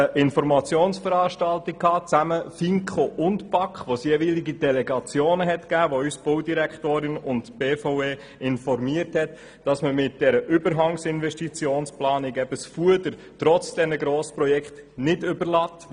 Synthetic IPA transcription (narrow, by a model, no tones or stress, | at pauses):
əʔɪnfɔɾmɑt͡sjoːnsfəɾɑːʃtɑltɪk̚kʰːɑːt͡sæməfiŋkχoʔʊntpɑkχʋosjɛːʋiːliɡidɛlɛɡɑt͡sjoːnəɦɛtkæːʋoysb̥oʊdiɾækχtoːɾɪnʊntb̥eːfaʊeː | ɪnfɔɾmiəɾthɛt | d̥ɑsməmɪt̚d̥ɛɾəʔʏbəɾɦɑŋsɪnvɛʃtit͡sjoːnsplɑːnɪkɛb̥əsfuədəɾ | tɾɔt͡sd̥ɛnəɡɾoːspɾɔjɛkχt | nɪdʏbəɾlɑːt